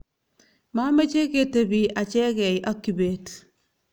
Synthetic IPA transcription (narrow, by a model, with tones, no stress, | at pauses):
ma˦me˦t͡ʃe˦ke˨tebi˨ʔa˨t͡ʃɛ˦kɛ˨jʔa˦kːi˨beːt